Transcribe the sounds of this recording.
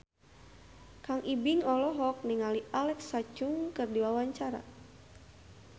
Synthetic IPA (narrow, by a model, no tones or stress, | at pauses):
kaŋʔibiŋɔlɔɦɔk̚niŋalialɛksat͡ʃʊŋkɨrdiwawaɲt͡ʃaɾa̰